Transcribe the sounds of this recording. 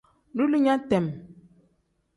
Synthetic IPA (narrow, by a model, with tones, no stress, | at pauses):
lu˦li˦ɲa˦tɛ˨m